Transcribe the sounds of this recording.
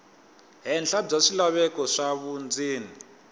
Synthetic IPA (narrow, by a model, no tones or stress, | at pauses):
ɦɛnɬab͡ʐaʂilaβɛkɔʂaβund͡zʱiːni